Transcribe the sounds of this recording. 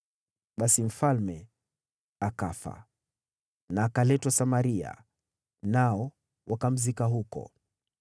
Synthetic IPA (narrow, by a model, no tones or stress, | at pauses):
ɓasim̩falmɛ | akafa̰ | naːkalɛtwasamaɾia̰ | naɔ | wʔakam̩zikaɦukɔ̰